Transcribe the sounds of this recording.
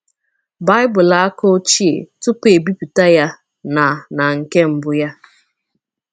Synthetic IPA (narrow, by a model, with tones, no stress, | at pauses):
ba˦ɪ˦bʊ˨la˦ko˦t͡ʃi˦ḛ˨tʊ˦pe˨bi˦pi˨ta˦ja˦ | na˨na˨ŋ̩˨ke˦m̩˨bʊ˦ja˦